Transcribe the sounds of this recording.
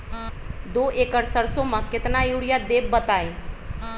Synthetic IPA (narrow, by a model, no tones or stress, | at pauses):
d̪oːʔeːkəɾsəɾsõmãkɪt̪najuːɽijad̪eːbbət̪aːẽ